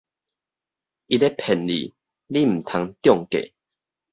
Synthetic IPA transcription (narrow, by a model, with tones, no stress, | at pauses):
i˧te˦pʰɛ˨˩nlḭ˨˩ | li˦m̩˨˩t̪ʰa˧ŋt̪jɔ˥˧ŋkḛ˨